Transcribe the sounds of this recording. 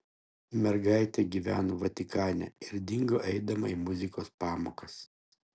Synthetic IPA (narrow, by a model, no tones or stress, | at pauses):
mʲɛɾɡɑˑɪt̪ʲɛɡʲiːʋʲæ̰ːnoʋɐt̪ʲɪkɑːnʲɛ̰ɪɾd̪ʲɪŋɡoʔɛɪd̪ɐmɐimʊzʲɪkoːspɑːmoːkɐs